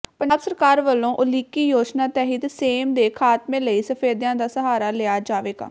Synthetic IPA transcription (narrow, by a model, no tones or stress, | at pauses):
pənaːksəɾkaːɾʋəlːõːʔʊliːkiːjoːd͡ʒnaːt̪ɛːɦət̪seːmd̪eːkʰaːt̪mẽːləiːsəpʰeːd̪jãːd̪aːsəɦaːɾaːlɪaːd͡ʒaːʋeːɡa̰ː